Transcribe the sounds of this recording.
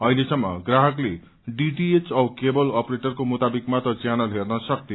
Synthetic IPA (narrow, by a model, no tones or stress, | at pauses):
ʌɦilesʌŋːʌ̰ɡraɦʌkle | ɖiʈiet͡sʌwkebʌlʌpreʈʌrkomut̪abikmat̪ʌt͡sjanʌlɦernʌsʌkt̪ij